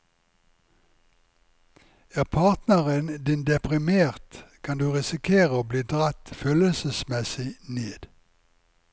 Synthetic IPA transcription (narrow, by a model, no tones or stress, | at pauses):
æːʁpʰɑːʁt̪nəʁənd̪ɪnd̪ɛpʁɪmeːʁt̪kʰɑnd̪ʉːʁɪsɪkʰeːʁəoːbliːd̪ʁɑt̪føːləlsəsmɛsɪneːd̪̥